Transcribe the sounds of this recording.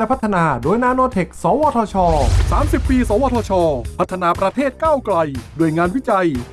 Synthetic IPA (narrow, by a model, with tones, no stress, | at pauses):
pʰa˦˥t̪ʰːa˧naː˧doː˧jnaː˧noː˧t̪ʰe˨˩k̚sɔː˩˦wɔː˧t̪ʰɔː˧t͡ɕʰɔː˧saː˩˦msi˨˩pːiː˧sɔː˨˦wɔː˧t̪ʰɔː˧t͡ɕʰɔː˧pʰa˦˥t̪ʰːa˧naː˧pɾa˧t̪ʰeː˥˩t̪̚kaː˥˩wkla˧jdoː˧əjŋaː˧nwi˦˥t͡ɕa˧j